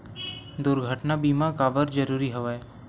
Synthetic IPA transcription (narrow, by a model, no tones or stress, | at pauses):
d̪ʊɾɡʱəʈnabiːmakaːbəɾd͡ʒɐɾuːɾiɦɐʋae